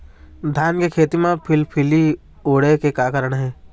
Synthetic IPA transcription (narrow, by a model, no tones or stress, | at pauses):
d̪ʱjaːnkekʰeːt̪imẽpʰɪlpʰɪli | oːɽekekaːkəɾəɽ̃ɦɛ̃ː